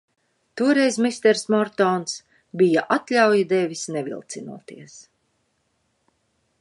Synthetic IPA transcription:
t̪uɔɾɛjzmist̪ɛɾsmɔɾt̪ɔːns | bijaʔat̪lʲawjid̪ɛvʲisnɛvḭlˠt̪sinṵɔt̪iɛs

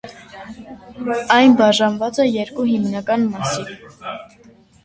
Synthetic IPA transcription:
ɑjnbɑʒɑnvɑt͡sɛjɛɾkuɦimnɑkɑnmɑsiɾ

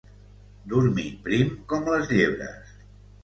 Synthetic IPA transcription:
d̪uɾmipɾimkɔmləzʎeβɾə̰s

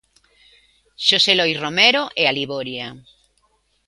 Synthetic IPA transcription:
ʃoselojromeɾoʔealiβoɾja

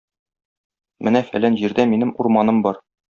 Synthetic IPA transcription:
mɘnæfæ̰lænʑiɾd̪æminɘmuɾmɑnɤmbɒɾ

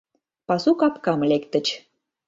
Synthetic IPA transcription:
pɑsukɑpkɑmlekt̪ə̆t͡ɕ

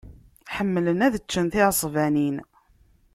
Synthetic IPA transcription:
ħəmːlənæðət͡ʃːənθɪʕəsˤvænin

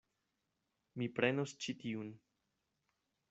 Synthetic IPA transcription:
mipɾe̞nost͡ʃitiun

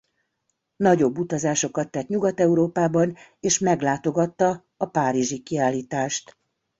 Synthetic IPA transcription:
nɒɟo̞bːut̪ɒzaːʃo̞kɒt̪ːɛt̪ɲuɡɒt̪ɛuɾoːpaːbɒneːʃmɛɡlaːt̪o̞ɡɒt̪ːɒː | paːɾiʒikiaːliːt̪aːʃt̪

